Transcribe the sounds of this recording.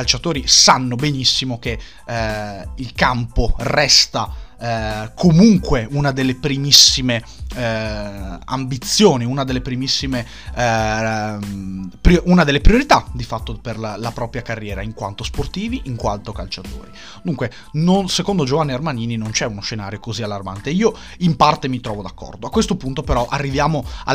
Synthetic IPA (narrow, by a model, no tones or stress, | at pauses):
alt͡ʃat̪oːɾisanːobenisːimoke | ilkamporɛst̪a | kʰomuŋkweunad̪elːepɾimisːime | a̰mbit̪sːjoːniunad̪elːepɾimisːime | pɾjoʔunad̪elːepɾioɾit̪ad̪ifat̪ːoperlapɾɔːpɾjakarːjɛːɾaiŋkwa̰nt̪osport̪iːviʔiŋkwa̰lt̪okalt͡ʃat̪o̰ːɾi | d̪uŋkwe | nonsekond̪od͡ʒovanːiarmaniːninont͡ʃɛunoʃʃenaːɾjokozialːarma̰nt̪eiːo | impart̪emit̪ɾɔːvod̪akːɔ̰rd̪oakwest̪opunt̪opeɾɔʔarːivjaːmoa̰